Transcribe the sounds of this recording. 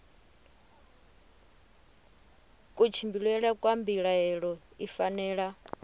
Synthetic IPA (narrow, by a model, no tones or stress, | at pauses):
kʼut͡ʃʰimbiɺwɛɺakʼwambiɺaɦɛɺɔ | ifanɛːɺa